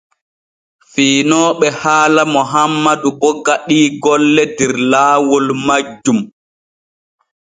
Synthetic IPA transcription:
fiːnɔːɓɛhaːlamɔɦamːadubɔɡaɗiːɡɔlːɛdɛɾlaːwɔlmad͡ʒːum

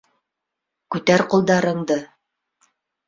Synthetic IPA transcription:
kʉt̪æɾqŭlˠd̪ɑɾɤ̆ɴd̪ɤ

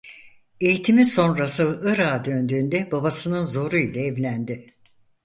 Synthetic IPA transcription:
e̞jit̪ʰimiso̞nɾasɯɯɾaːd̪ø̞nd̪yːnd̪ɛbabasɯnɯnzo̞ɾuilʲɛɛvlʲænd̪ɪ

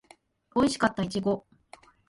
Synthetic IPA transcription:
o̞iɕi̥kat̪ːait͡ɕiɡo̞

